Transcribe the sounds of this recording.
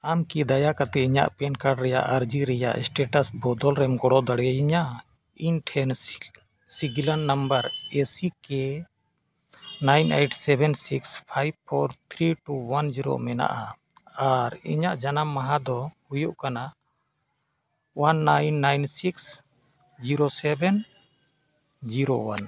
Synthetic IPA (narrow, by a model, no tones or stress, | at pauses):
amkid̪ajakat̪ɛiɲa̰ʔpɛnkaɖɾɛja̰ʔaɾd͡ʒiɾɛja̰ʔɛsʈɛʈasbɔd̪ɔlɾɛmɡɔɽɔd̪aɽaiɲa | inʈʰɛn | siɡilanːambaɾesike | najnḛʈsɛbʱɛnsikspʰajb̚pʰɔɾt̪ʰɾiʈuwand͡ʒiɾo̰mɛna̰ʔa | aɾḭɲaʔd͡ʒanamːaɦad̪ɔhujuʔkana | wanːajnːajnsiks | d͡ʒiɾosɛbɛn | d͡ʒiɾowan